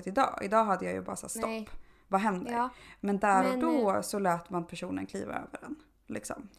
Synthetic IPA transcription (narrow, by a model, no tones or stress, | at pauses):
t̪ɪd̪ɑ̰ːɪ̰d̪ɑːɦad̪ːəjajɵ̰bɑ̰ːɾasæ̰ːstt̪ɔpː | vaɦɛnd̪əɾmɛnd̪æɾɔd̪ɔsɔlɛːt̪manpʰæʂuːnə̰nkʰlḭːva̰ø̰ːvəɖɛn | lɪksɔ̰m